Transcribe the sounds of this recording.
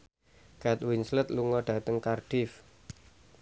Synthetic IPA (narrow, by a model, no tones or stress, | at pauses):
ɡ̥at̪winslət̪luŋɔɖ̥a̤t̪əŋkarɖ̥ɪf